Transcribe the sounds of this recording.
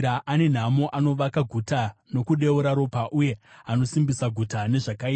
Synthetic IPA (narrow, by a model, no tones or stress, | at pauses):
aʔane̞n̤amoʔano̞ʋakaɡʱutano̞kuɗe̞uɾaɾo̞paʔuje̞ano̞simbisaɡʱutane̞ʐakaia